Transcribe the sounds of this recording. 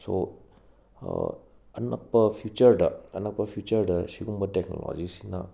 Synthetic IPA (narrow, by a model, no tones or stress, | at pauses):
so | ɐnɐ̰k̚pɐpʰjut͡ʃɐɾdɐɐnɐk̚pɐpʰjut͡ʃɐɾdɐsiɡumbɐtek̚nolo̰d͡ʒisi̥nɐ